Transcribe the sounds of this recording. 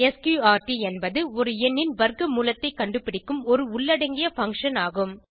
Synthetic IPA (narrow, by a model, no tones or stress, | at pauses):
ɛskjuːaːɾʈiɛnbɐðɯɔɾɯɛnːɪnʋɐɾkɯmuːlɐt̪ːɐɪkːɐɳɖɯpɪɽɪkːɯmɔɾɯʊɭːɐɽɐŋɡɪjɐfɐŋkʂɐnaːɣɯm